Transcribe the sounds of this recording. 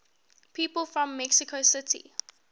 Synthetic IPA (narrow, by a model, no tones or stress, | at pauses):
pʰiːpəlˠfɹɔ̃mːɛksɪkʰosɪtḭ